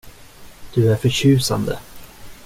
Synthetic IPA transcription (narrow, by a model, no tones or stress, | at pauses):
d̪̥ɵæɾfœɾɕʉ̟ːsa̰nd̪ə̰